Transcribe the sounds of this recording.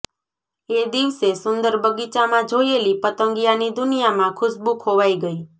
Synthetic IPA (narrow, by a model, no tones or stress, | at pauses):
ed̪iʋsesʊnd̪əɾbəɡit͡ʃamãd͡ʒojelipət̪əŋɡijanid̪ʊnijamãkʰʊsbukʰoʋaiɡəi